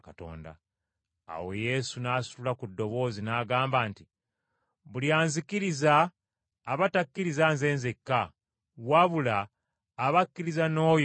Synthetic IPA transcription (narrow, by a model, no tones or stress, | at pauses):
kato̰ːnda̰ | a̰wḛje̞sunaːsu̥lulakudːo̞βo̞ːzinaːɡaːmbaːnti | βuljaːnzikiɾizaː | βatakːiɾizanze̞ːnzekːa | waβulaː | βakːiɾizano̞ːj